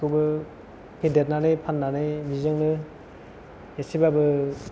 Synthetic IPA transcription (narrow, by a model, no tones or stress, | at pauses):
kɯbɯ | pʰedet̚nanɯjpʰanːanɯjbizɯŋnɯ | esibabɯ